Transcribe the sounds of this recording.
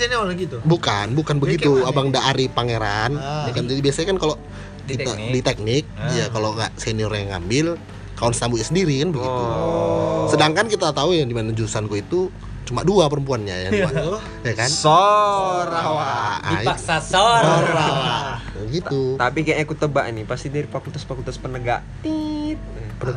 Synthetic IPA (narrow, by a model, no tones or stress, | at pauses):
sɛnaəɡit̪ubukanbukanbəɡit̪uabaŋdaʔːɾipaŋeɾanbukand͡ʒadibiasaɲakankalo | kitt̪a̰dit̪ɛk̚nɪk̚jakaloŋɡa̰ʔseniɔrjaŋa̰mbɪl | kaɔnst̪ambuʔɲasəndiɾikanbəɡit̪u | sədaŋkankit̪at̪aujadimanad͡ʒusankueit̪u | t͡ʃuma̰ʔduapəɾəmpuanɲa̰jaumaʔu | jakansoɾawaʔdḭaksaooawa | ɡit̪ut̪apikjaŋakut̪əba̰ʔnipast̪idaɾifakult̪asfakult̪aspənəɡa̰ʔt̪i | ə